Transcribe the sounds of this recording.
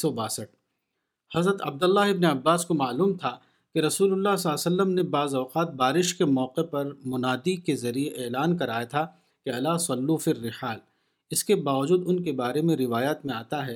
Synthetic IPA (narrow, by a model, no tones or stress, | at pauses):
ɔbaːsəʈ̚ | hɐzɾət̪ɐ̰b̚d̪ɐlːaɦɪbneɐbːaːskomaːluːmt̪ʰa | keɾɐsuːlʊlːaɦsɐlːsɐlːəmnebaːzɔːqaːt̪̚baːɾɪʃkemɔːqepɐɾmʊnaːd̪ikezɐɾieʔeːlaːnkɐɾaːjat̪ʰa | keɐlaːsɐlːufɪrːɪħaːl | ɪskebaːʋɐd͡ʒuːd̪ʊnkebaːɾemẽɾɪʋaːjaːt̪mẽaːt̪aɦɛː